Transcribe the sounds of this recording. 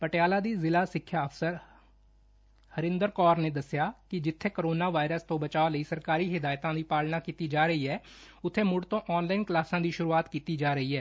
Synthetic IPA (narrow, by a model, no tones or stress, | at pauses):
pəʈjaːlaːd̪iːzɪlaːsɪkʰːjaːəfsəɾ | həɾɪ̃nd̪əɾkɔːɾneːd̪əsjaːkɪd͡ʒɪt̪ʰːeːkəɾoːnaːʋaːɪɾəst̪õːbət͡ʃaːoləiːsəɾkaːɾiːɦɪd̪aːjt̪ãːd̪iːpaːlnaːkiːt̪iːd͡ʒaːɾəɦiːɦɛː | ʊt̪ʰːeːmʊɖt̪õːʔɔːnlaːɪnklaːsãːd̪iːʃʊɾuːaːt̪kiːt̪iːd͡ʒaːɾəɦiːɦɛː